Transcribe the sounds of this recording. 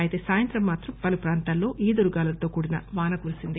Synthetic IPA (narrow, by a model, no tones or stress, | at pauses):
ɐjit̪e̞ːsaːjɐnt̪ɾɐmːaːt̪ɾɐmpɐlupɾaːnt̪aːlːo̞ːʔiːd̪uɾuɡaːlɐt̪o̞ːkuːɽinɐ̰ʋaːnɐkulisind̪i